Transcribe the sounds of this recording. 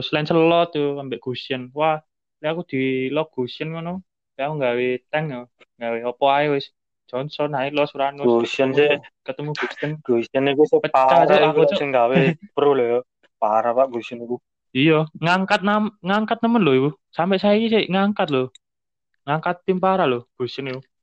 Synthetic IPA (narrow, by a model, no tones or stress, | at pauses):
səlansəlɔt̪uambɛʔɡ̥o̤siənwa | leakud̪̥i̤lɔɡ̥o̤siənimano | lakuŋɡawet̪ɛŋjɔ | ŋɡaweɔpɔaewɪs | d̥d͡ʒ̥ɔnsɔnailɔsuɾanweɡosiənsekət̪əmuɡ̥osənɡ̥osiənikusepəpat͡ʃaɾaikut͡ʃɔənŋɡawepəɾulɔjɔ | paɾapaʔɡ̥osiəniku | ijɔŋaŋkat̪̚namŋaŋkat̪̚nəmənloiwu | sampɛʔsajaikiseŋaŋkat̪̚lo | ŋaŋkat̪ːimpaɾaloɡ̥o̤siəniku